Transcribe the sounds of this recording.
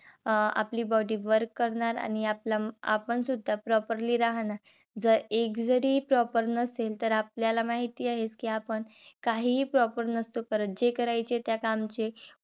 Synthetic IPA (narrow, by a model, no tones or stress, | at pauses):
a̰pliːbɔɽiːʋəɾkːəɾɳaɾa̰ñiaplaa̰pəɳsud̪ʱːapɾɔpəɾliːɾaɦnaɾ | d͡zəɾekd͡zəɾiːpɾɔpəɾnəselt̪əɾap̚ljalamaɦit̪iːaɦeskiːapəɳkaɦiːpɾɔpəɾnəst̪okəɾət̪̚d͡ʑekəɾajt͡ɕet̪jakamt͡ɕe